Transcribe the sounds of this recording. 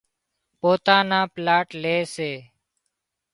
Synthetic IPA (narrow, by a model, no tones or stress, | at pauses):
poːt̪ãːnãːplaːʈleːseː